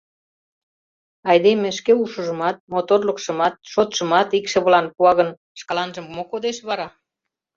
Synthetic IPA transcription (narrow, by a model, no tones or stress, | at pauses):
ɑjd̪emeʃkeuʃəʒə̆mɑt̪̚mot̪orləkʃə̆mɑt̪̚ʃot̪ʃə̆mɑt̪ikʃə̆βəlɑnpuɑɣən | ʃkɑlɑnʒə̆mmokod̪eʃβɑɾɑ